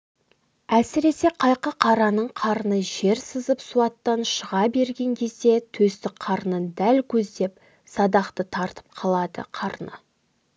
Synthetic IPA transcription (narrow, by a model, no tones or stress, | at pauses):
æsɪɾe̞se̞qʰɑjqəqʰɑɾɑnəɴqʰɑɾənəʒe̞ɾsəzəpsuɑt̪ːɑnʃəʁɑbe̞ɾɡʲe̞ŋkʲʰe̞zd̪e̞t̪ʰɵst̪ɪkqʰɑɾnəd̪ælkʲʰɵzd̪e̞p | sɑd̪ɑqt̪ət̪ʰɑɾt̪ə̥p̚qʰɑlˠɑd̪ə̰qʰɑɾnə̰